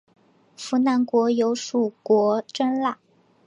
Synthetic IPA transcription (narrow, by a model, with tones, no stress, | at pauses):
fu˧˥na˧˥nkwɔ˧˥jo˧˥ʊʂu˨˩kwɔ˧˥ʈ͡ʂə˥nla˥˩